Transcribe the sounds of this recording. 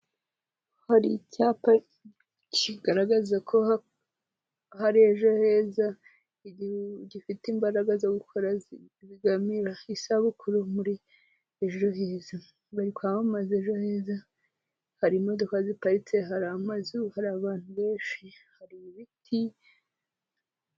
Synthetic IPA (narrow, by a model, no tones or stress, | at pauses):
haɾḭcapa | ciɡaɾaɡazakʰo̞a | haɾieʒo̞he̞ːza | ɟifitiːmbaɾaɡazaɡukʰoɾaz | ziɡamiɾaisaβukuɾomuɾi | eʒo̞ɦeːza | βaɾikwamamazeʒo̞heːza | haɾimo̞dokazipaɾit͡se̞ɦaɾamazuhaɾaːβaːn̥huβe̞ːnʃihaɾiβitʰi